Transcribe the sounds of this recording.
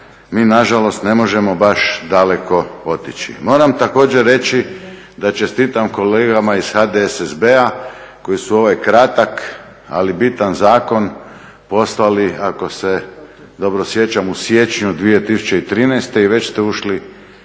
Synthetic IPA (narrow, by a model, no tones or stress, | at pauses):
miːnaʒalo̞st̪ne̞mo̞ʒe̞mo̞baʃd̪ale̞ko̞o̞t̪it͡ɕḭmo̞ːɾamt̪ako̞ːd͡ʑeɾːe̞t͡ɕi | d̪at͡ʃe̞st̪iːt̪amko̞leːɡamaiz̥xad̪eesezbeako̞isuo̞ʋajkɾat̪ak | a̰libit̪anzaːko̞n | po̞slaliako̞se̞ | d̪o̞bɾo̞sje̞t͡ɕamusje̞t͡ɕɲud̪ʋije̞t̪isu̥t͡ɕeit̪ɾiːnɛjst̪e̞iʋe̞t͡ɕst̪euʃli